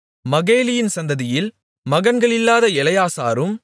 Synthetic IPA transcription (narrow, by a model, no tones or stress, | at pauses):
mɐɣeːlɪjɪnsɐnd̪ɐðɪjɪl | mɐɣɐnɡɐɭɪlːaːðɐɛlɐjaːsa̰ːɾɯm